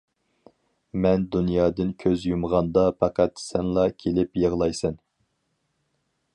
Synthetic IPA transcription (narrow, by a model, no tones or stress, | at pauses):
mɛnd̪unjɑːd̪ɨnkʲʰøzjumʁɑnd̪ɑpʰɑqæt̪sɛnlˠɑkʲʰelɪpjəʁlˠɑjsɛn